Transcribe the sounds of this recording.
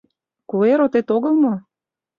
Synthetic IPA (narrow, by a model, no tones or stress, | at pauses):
kueɾot̪et̪oɣə̆lˠmo